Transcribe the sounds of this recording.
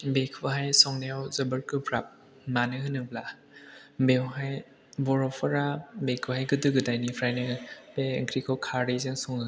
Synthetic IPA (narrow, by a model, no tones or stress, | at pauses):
bekʰɯɦajsɔŋneɔwzɐbɯɾkɯpʰɾap̚ | manɯhɯnɯŋbla | bewɦaj | bɔɾɔpʰɔɾabekʰɯɦajɡɯdɯɡɯdajnipʰɾajnɯbeɯŋkʰɾikʰɔwkʰaɾezeŋsɔŋɯ